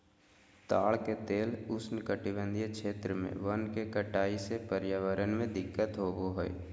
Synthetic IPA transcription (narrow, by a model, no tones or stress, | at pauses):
t̪aːɭket̪eːlʊsnkəʈɪbə̃nd̪ʱjəkʃeːt̪ɾəmḛ̃ʋənkekəʈaːisepəɾjaʋəɾənmẽd̪ɪkːət̪ɦoɡoɦo̰ḭ